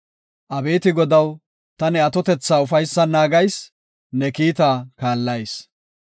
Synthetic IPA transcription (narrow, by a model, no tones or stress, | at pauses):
ʔɐbe̞ːt̪ɪɡɔd̪ɐw | t̪ɐnɛɐt̪ɔt̪ɛt͡sːaːʊfɐjsːɐnaːɡɐjs | nɛkiːt̪aːkaːlːɐjs